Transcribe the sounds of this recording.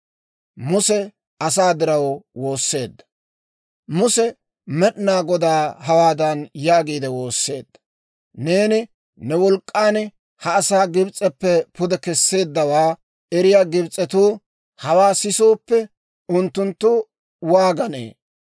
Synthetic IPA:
mʊsɛ | ɐsaːd̪ɪɾɐwwo̞ːsːe̞ːd̪ːɐ̥ | mʊsɛ | mɛɗnaːɡɔd̪aːɦɐwaːd̪ɐnjaːɡiːd̪ɛwo̞ːsːe̞̰ːd̪ːɐ̥ | ne̞ːnɪ | nɛwɔlkʼːaːn | hɐːsaːɡɪbt͡sʼːɛpːɛpʊd̪ɛkɛsːe̞ːd̪ːɐwaː | ɛɾɪjaːɡɪbt͡sʼɛt̪uː | hɐwaːsɪsoːpːɛ | ʊnt̪ːʊnt̪ːʊ | waːɡɐnḛː

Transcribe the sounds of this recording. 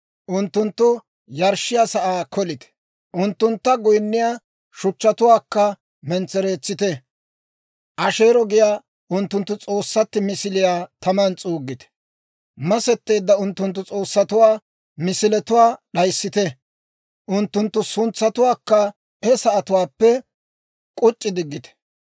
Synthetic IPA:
ʔʊnt̪ːʊnt̪ːʊ | jɐɾʃɪjaːsɐʔaːkʰɔlɪt̪ɛ̥ | ʔʊnt̪ːʊnt̪ːɐɡʊjnːɪjaː | ʃʊt͡ʃːɐt̪ʊwaːkːɐ | mɛnt͡sɛɾe̞ːt͡sːɪt̪ɛ | ʔɐʃe̞ːɾɔɡɪjaː | ʊnt̪ːʊnt̪ːʊt͡sʼo̞ːsːɐt̪ːɪmɪsɪlɪjaːt̪ɐmɐnt͡sʼuːɡːɪt̪ɛ̥ | mɐsɛt̪ːe̞ːd̪ːɐʊnt̪ːʊnt̪ːʊt͡sʼo̞ːsːɐt̪ʊwaː | mɪsɪlɛt̪ʊwaːɗɐjsːɪt̪ɛ | ʔʊnt̪ːʊnt̪ːʊsʊnt͡sːɐt̪ʊwaːkːɐ | ɛsɐʔɐt̪ʊwaːpːɛ | kʼʊt͡ʃʼːɪd̪ɪɡːɪt̪ɛ̥

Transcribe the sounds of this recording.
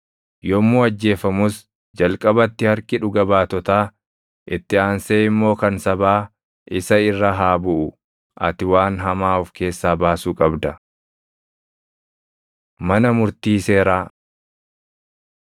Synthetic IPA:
jɔmːuːɐd͡ʒːe̞ːfɐmʊs | d͡ʒɐlkʼɐbɐt̪ːɪhɐɾkɪᶑʊɡɐbaːt̪ɔt̪aː | ʔɪt̪ːɪaːnseːɪmːo̞ːkɐnsɐbaː | ɪsɐɪrːɐɦaːbʊʔʊ | ʔɐ̰t̪ɪwaːnɦɐmaːʊfke̞ːsːaːbaːsuːkʼɐbd̪ɐ | mɐnɐmʊɾt̪iːse̞ːɾaː

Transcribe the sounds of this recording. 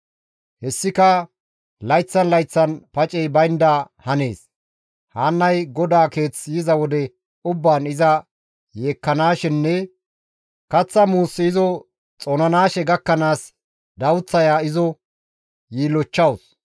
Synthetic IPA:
hɛsːɪkɐ | lɐjt͡sːɐnlɐjt͡sːɐnpɐt͡ʃʼɛjbɐjnd̪aː | hɐne̞ːs | haːnːɐjɡɔd̪aːke̞ːt͡sːjɪzɐwɔd̪ɛ | ʊbːaːnɪzɐ | je̞ːkːɐnaːʃɪnːɛ | kɐt͡sːɐmuːsɪɪzɔ | t͡sʼɔnɐnaːʃɛɡɐkːɐnaːs | d̪ɐwt͡sːɐjaːɪzɔ | jiːlɔt͡ʃːɐws

